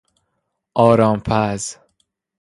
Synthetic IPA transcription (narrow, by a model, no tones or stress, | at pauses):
ʔɒːɾɒːmpʰæz